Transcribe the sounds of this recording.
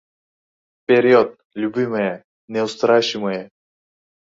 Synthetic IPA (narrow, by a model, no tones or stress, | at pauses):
fpʲeɾʲot̪̚ | lʲʊbʲimɨjə | nʲɛʊst̪ɾaɕɪmɨjə